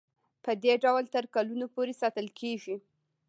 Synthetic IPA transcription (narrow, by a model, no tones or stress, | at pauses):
pəd̪eɖawlt̪əɾkalunopoɾesɑt̪əlkʰeʒi